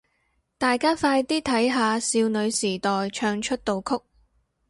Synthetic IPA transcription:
t̪aː˨jkaː˥faː˧jt̪iː˥t̪ʰɐ˨˥jɦaː˨˧siː˧wnɵ˨˧ɥsiː˨˩t̪ɔː˨jt͡ʃʰœː˧ŋt͡ʃʰɵ˥t̚t̪o˨wkʰʊ˥k̚

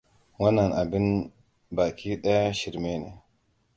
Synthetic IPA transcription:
wa˦nːa˨na˨bi˦n | baː˨kʰʲi˦ɗa˦ʃi˨ɾmeː˦nḛ˨

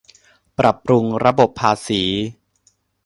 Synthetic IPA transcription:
pɾa˨˩pɾu˧ŋɾa˧bo˨˩pʰːaː˧siː˩˦

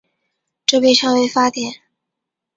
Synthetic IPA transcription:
ʈ͡ʂɤ˥˧˩pjɛ˥ʂɑ˥ŋwe˥˩ɪfa˥t̪jɛ˨˩˦n

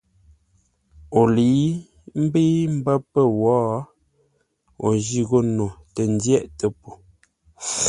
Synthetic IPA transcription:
o˨li˨˦˨ | m̩˦be˦m̩˦bə˦pə˦˨wɔː˦ | o˨ʒi˦ɣo˦no˨tə˨n̩˦djɛ˦˨ʔtə˨pu˨

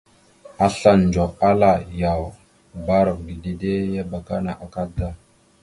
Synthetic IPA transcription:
a˦ɬa˦nd͡ʒo˨a˦la˨ja˨w | ba˦ɾa˨vɡi˨de˨de˦ja˦ba˨ka˦na˨ʔa˨ka˦da˦˨

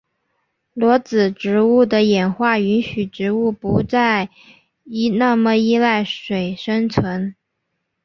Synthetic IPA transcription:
lwɔ˧˥t͡sɹ̩˨˩ʈ͡ʂɻ̩˧˥u˥˩d̪ə˩jɛ˨˩nxwa˥˩y˧˥nɕy˨˩ʈ͡ʂɻ̩˧˥u˥˩pu˧˥t͡sa˥˩ɪ | i˥na˥˩mə˩i˥˧la˥˩ɪʂwe˨˩ɪʂə˥nt͡sʰwə˧˥n

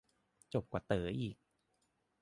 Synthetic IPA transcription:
t͡ɕo˨˩p̚kwaː˨˩t̪ɤː˨˩˦ʔiː˨˩k̚

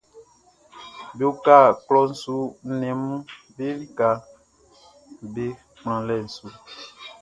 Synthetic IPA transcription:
be˦o˦ka˦˨klɔ˦n̩˨su˦nɛ̃˨mũ˦ | be˦li˦ka˨ | be˦ | k͡pl̃ã˨lɛ˦˨n̩˨su˨˦

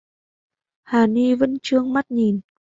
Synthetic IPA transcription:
haː˨˩ni˧və̰˧˥nt͡ɕɨ˧əŋma˦˥t̚ɲi˨˩n

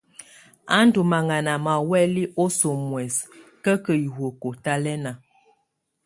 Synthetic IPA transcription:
a˦n˦du˨ma˨ŋa˨na˨ma˨wɛ˦li˦ʔo˦so˨mwɛ˨skə˦kə˨ju˨hwə˨ko˨ta˦lɛ˦na˨

